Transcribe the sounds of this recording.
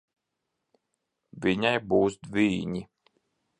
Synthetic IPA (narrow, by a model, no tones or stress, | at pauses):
vʲiɲajbuːsd̪viːɲi